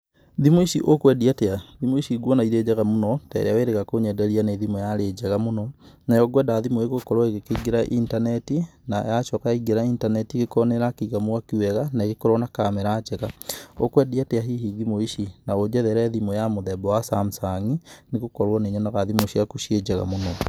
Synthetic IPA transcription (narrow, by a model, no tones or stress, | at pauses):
ðimoiʃiʔokwɛdiateaðimoiʃiɡwɔnaiɾed͡ʑaɣamonɔtɛ̰ɾeaweɾeɣakoɲɛdɛɾianeðimɔjaɾed͡ʒɛɣamonɔnajɔɡwɛdaðimoeɣokɔɾwɔeɣekeɡeɾaʔintanɛtinajaʃɔkaiɡeɾaintanɛtiɣekɔneɾakiɣamoakuwɛɣanaeɣekɔɾwɔnakamɛɾat͡ʃɛɣaokwɛdiateaɦihiɡimoiʃinaod͡ʒɛðɛɾɛðimɔjamoðɛbɔwasam̩saŋineɣokɔɾwɔneɲɔnaɣaðimoʃiakuʃed͡ʑɛɣa̰monɔ